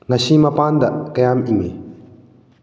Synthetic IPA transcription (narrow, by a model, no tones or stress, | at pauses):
nãʃĩmãpand̪akaamʔimẽ